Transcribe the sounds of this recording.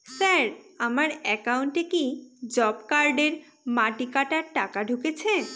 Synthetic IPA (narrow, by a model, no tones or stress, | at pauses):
saɾamaɾɛkauɳʈekid͡ʑɔbkaɾɖeɾ | maʈikaʈaɾʈakaɖʱuket͡ɕʰe